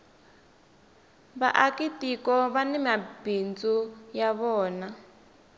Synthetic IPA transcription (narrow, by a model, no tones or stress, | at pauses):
βa̰ʔakitikɔβanɛmabind͡zujaβɔːna